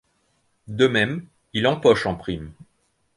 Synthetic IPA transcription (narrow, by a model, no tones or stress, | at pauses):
d̪əmɛm | ilɑ̃pɔʃɑ̃pχim